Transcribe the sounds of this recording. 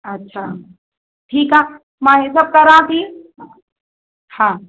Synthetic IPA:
ɐtːʃʰa | ʈʰiːkɦa | mãɦesɐb̚kɐɾaãt̪ʰi | hãː

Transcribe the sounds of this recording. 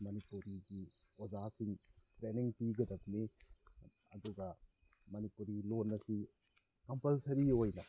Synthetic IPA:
mɐnipuɾiɡiozasiŋtɾeniŋpiɡɐdɐp̚ni | ɐd̪uɡɐ | mɐnipuɾilonːɐsi | kɐmpɐlsɐɾiojnɐ

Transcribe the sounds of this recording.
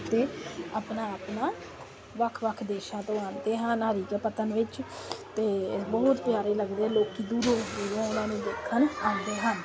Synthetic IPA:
t̪eːaːpnaːapnaː | ʋəkʰʋəkʰd̪eːʃãːt̪õːaːnd̪eːɦənɦəɾiːkepət̪ənʋɪt͡ʃt̪eːbɔːt̪pjaːɾeːləɡd̪eːloːkiːd̪uːɾõːeːɾõːʊnãːnũːd̪ɪkʰːənãːnd̪eːɦən

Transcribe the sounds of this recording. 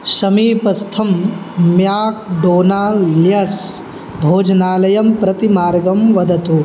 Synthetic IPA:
ʃɐmiːpɐst̪ʰɐmːjaːk̚ɖoːnaːlljɐɾs | bʱoːd͡ʒɐnaːlɐjɐmpɾɐt̪imaːɾɡɐmʋɐd̪ʱɐt̪u

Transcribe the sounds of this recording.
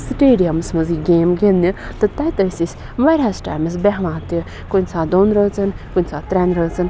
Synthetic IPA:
sʈeːɖijɐmsmɐziɡeːmɡenːit̪ɨt̪ɐjt̪əsisʲ | ʋaːɾʲaːsʈa̰ːjmɐs̬bɛɦlãːt̪i | konʲsaːd̪oːnɾət͡sɨnkunʲsaːt̪ɾɛnɾəːt͡sɨn

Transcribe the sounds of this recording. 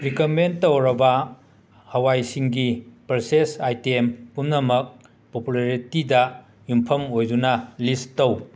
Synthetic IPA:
ɾikɐmentːowɾɐbɐ | hɐwajsiŋɡipɐɾsesajtempunnɐmɐk̚ | populaɾitidɐ | jumpʰɐmojd͡ʒunɐlistow

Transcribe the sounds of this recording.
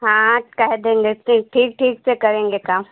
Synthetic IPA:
ɦãːkɛɦd̪ẽːŋ̆ɡeʈʰiːk̚ʈʰiːk̚ʈʰiːksekɐɾẽːŋɡekãː

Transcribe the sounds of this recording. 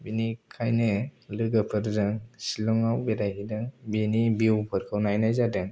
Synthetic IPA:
binikʰajnɯlɯɡɯpʰɯɾzɯŋsilɔŋawbeɾajɦidɯŋbinibiwpʰɯɾkʰawnajnajzadɯŋ

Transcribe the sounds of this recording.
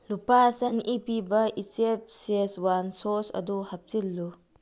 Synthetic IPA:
lupasɐnipibɐisep̚seswansosɐ̰d̪uhɐp̚silːu

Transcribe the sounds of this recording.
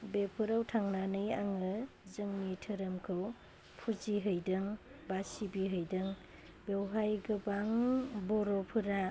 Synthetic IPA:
bepʰɯɾawtʰaŋnanɯjaŋɯ | zɯŋnitʰɯɾɯmkʰɯw | pʰuziɦɯjdɯŋbasibiɦɯjdɯŋ | bewɦajɡɯbaŋbɔɾɔpʰɯɾa

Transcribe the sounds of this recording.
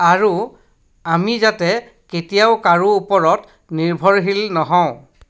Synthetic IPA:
aɹu | amizatɛ | ketijaʊkaɹuːpɔɹɔt | niɹbʱɔɹɦilnɔɦɔ̃ʊ̃

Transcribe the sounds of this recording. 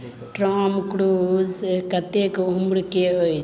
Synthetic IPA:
ʈɾaːmkɽuːzkɐt̪ekʊmɽkeɦoj

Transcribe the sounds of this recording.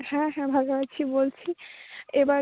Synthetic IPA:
hɛ̃ɦɛ̃bʱaɡabat͡ɕʰibolt͡ɕʰieba

